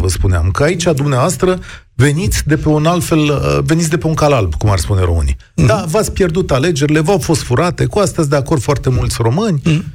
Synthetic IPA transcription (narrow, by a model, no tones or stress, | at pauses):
vəspunea̰mkəait͡ʃad̪umneavoast̪ɾəve̞nit̪sʲd̪e̞pe̞unalt̪fe̞ləve̞nit̪sʲd̪e̞pe̞uŋkalalbkuma̰rspune̞ɾo̞̰ɨ̰nḭ | d̪avat̪sʲpjerd̪ut̪ale̞d͡ʒe̞ɾile̞vawfo̞st̪fuɾat̪e̞kuast̪azʲd̪e̞ako̞rd̪foart̪e̞mult̪sʲro̞mɨnʲ